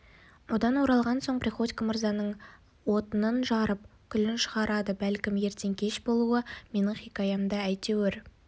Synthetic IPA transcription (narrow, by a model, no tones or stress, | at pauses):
wo̞d̪ɑnwo̞ɾɑlˠʁɑnso̞ɴprʲiχo̞t̪ʲkəməɾzɑnəɴ | wo̞t̪ənənʒɑɾəp̚kʲʰʏlɪnʃəʁɑɾɑd̪əbælkʲɪmje̞ɾt̪e̞ŋkʲʰe̞ʃbo̞lˠuəme̞nɪɴχikɑjɑmd̪ɑæjt̪eweɾ